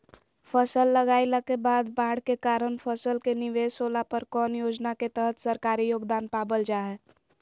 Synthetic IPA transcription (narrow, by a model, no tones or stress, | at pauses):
pʰəsəlːəɡaːilakebaːd̪baːɽkekaːɾənpʰəsəlkenɪʋeːsoːlapəɾkɔːnjoːd͡ʒnaket̪əɦət̪səɾkaːɾijoːɡd̪aːnpaːbəld͡ʒaːɦɛː